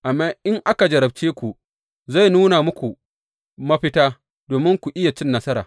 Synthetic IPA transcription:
ʔa˨mːaː˦ʔɪ˦ŋʔa˦ka˨d͡ʒɐ˨ɾɐ˨b̚t͡ʃeː˦kʷu˨ | za˦˨jnuː˦na˨mʊ˦kʷu˨ | mɐ˦ɸɪ˦taː˦ | doː˨mɪ˦ŋkʷu˨ʔɪ˦ja˨t͡ʃɪ˦nːɐ˦sɐ˦ɾaː˨

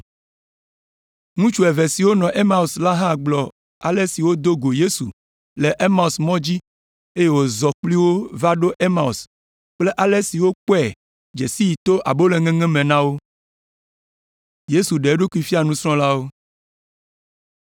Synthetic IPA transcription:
ŋũ˦t͡ʃu˨ɛ˨ve˨si˨wo˦nɔ̃˨ʔe˦ma˦u˨sla˦ɦã˦˨ɡ͡blɔ˨ | a̰˨le˦si˨wo˦d̪o˦ɡo˨je˦su˨ | le˨ʔe˦ma˦u˨smɔ̃˦d͡ʑi˦ | e˦je˨wo˨zɔ˨k͡pli˦wo˦va˦ɖo˦ʔe˦ma˨u˨s | k͡ple˦ʔa˨le˦si˨wo˦k͡po˦ɛ˨ | d͡ʒe˨si˦ji˨t̪o˦ʔa˨bo˦le˦ŋɛ̃˦ŋɛ̃˦mẽ˨nã˦wo˦ | je˦su˨ɖe˨˦ɖo˦kʷu˦i˦fi˦a˨nũ˦sɾ̃ɔ̃˦la˦wo˦

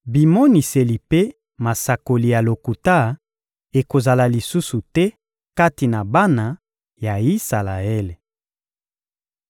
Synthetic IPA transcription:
bi˨mo˦ni˨se˨li˨pe˦ | ma˨sa˨ko˨li˨ja˨lo˨ku˨ta˦ | e˨ko˨za˨la˨li˨su˦su˨tɛ˦ | ka˦ti˨na˨ba˦na˨ | ja˨i˦sa˨la˨e˦le˨

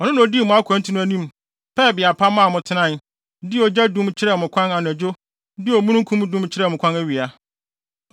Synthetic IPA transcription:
ɔ˨nʊ̃˦nã˨ɔ˨di˦˨mʊ̃˨˦a˦kʷʰæ̃˨˦n˦tʰi˦nʊ̃˦æ˦nĩ˦m | pʰɛ˦˨bɪ˨a˨pʰa˦mã˦˨mʊ̃˨tʰɪ˦nã˦˨n | dɪ˦ɔ˨d͡ʑa˦dũ˦mt͡ɕʰɪ˦ɾɛ˦˨mʊ̃˨kʷʰã˦na˨n˨d͡ʑo˦ | dɪ˦ɔ˨mũ˦nũ˦kʰũ˦m˦dũ˦mt͡ɕʰɪ˦ɾɛ˦˨mʊ̃˨kʷʰã˦næ˦ɥi˨a˨

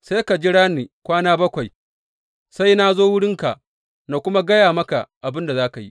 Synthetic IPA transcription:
sa˦ka˨d͡ʒi˦ɽaː˦niː˨kʷaː˦naː˦bɐ˦kʷa˨j | sa˦jna˦zoː˦wʊ˦ɽɪ˦ŋka̰˨ʔ | na˨kʷʊ˦ma˦ɡɐ˦jaː˨mɐ˦ka̰˨ʔa˨bɪ˦nda˨zaː˦ka˨jḭ˦ʔ

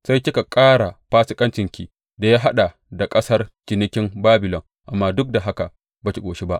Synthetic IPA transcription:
sa˦jkʲɪ˦ka˨kʼaː˦ɽa˨ɸaː˦sɪ˦kʼɐ˦nt͡ʃɪ˨ŋkʲi˨ | da˨jaː˦ɦa˦ɗa˨ | da˨kʼɐ˦sɐ˦rt͡ʃɪ˨nɪ˦kʲɪ˦mbaː˦bɪ˨lɔ˨ŋ | ʔa˨mːaː˦dʊ˦k̚da˨ɦa˦ka˨ | baː˨kʲi˨kʷʼoː˨ʃi˦ba˦ʔ

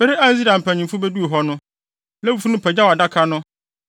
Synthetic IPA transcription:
bɪ˦ɾɪ˦ã˦n̩˦zi˦ɾã˨m̩˨pʰæ̃˨ɲĩ˨fʊ˦be˦du˦o˨ɦɔ˦nʊ̃˦ | lɛ˦fu˨fu˦nʊ̃˦pʰɛ˨d͡ʑa˦wa˨da˦kʰa˦nʊ̃˦

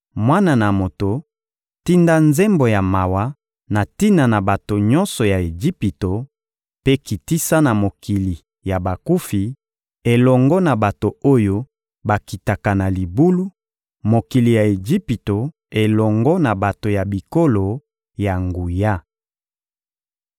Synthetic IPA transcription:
mwa˦na˨na˨mo˨to˨ | ti˦nda˦nze˦mbo˨ja˨ma˨wa˦ | na˨ti˦na˨na˨ba˨to˨ɲɔ˦nsɔ˨ja˨e˨d͡ʒi˦pi˨to˨ | pe˦ki˨ti˦sa˦na˨mo˨ki˨li˨ | ja˨ba˨ku˦fi˨ | e˨lɔ˨ŋɡɔ˦na˨ba˨to˨o˦jo˦ | ba˨ki˨ta˨ka˨na˨li˨bu˦lu˦ | mo˨ki˨li˨ja˨e˨d͡ʒi˦pi˨to˨ | e˨lɔ˨ŋɡɔ˦na˨ba˨to˨ja˨bi˨ko˦lo˨ | ja˨ŋɡu˨ja˦

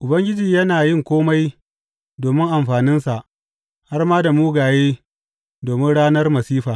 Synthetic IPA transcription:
ʔʊ˨bɐ˦ŋɡʲɪ˦d͡ʒiː˨jɐ˦naː˨jɪ˦˨ŋkʷoː˦ma˦j | doː˨mɪ˦ŋʔa˨mɸaː˨nɪ˦nsa˨ʔ | ha˦rmaː˦da˨muː˦ɡaː˨jeː˦ | doː˨mɪ˦nɽaː˦nɐ˦rmɐ˨siː˦ɸaː˨

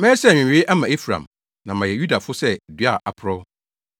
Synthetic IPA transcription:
mɛ̃ː˦sɛ̃˦˨˦ɪ˦ʔa˦mã˨e˦fɾã̰˨m | nã˨mã˨jɛ˨ju˦da˨fʊ˦sɛ˦˨dɥa˦˨ʔa˨pʰʊ˨ɾɔ˦

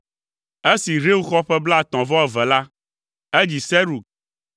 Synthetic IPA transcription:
e˦si˨ɾe˦wu˦xɔ˦ɸɛ˦bla˦a˨t̪ɔ̃˨vɔ˦ɛ˦vɛ˨la˦ | e˦d͡ʑi˨sɛ˦ɾu˨

